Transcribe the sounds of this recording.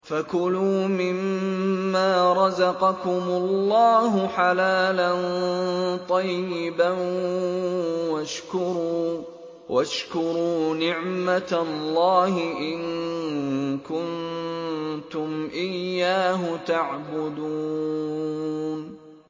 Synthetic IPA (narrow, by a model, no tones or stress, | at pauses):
fakʊluːmɪmː | aːɾˤɑzɑqɑkʊmʊlːɑːɦʊħalaːlan | t̪ˤɑjɪba | waʃkʊɾuː | wʔaʃkʊɾuːnɪʕmat̪allːɑːɦɪʔɪn | kʊn | t̪ʊmʔɪjːaːɦʊt̪aʕbʊd̪uː | n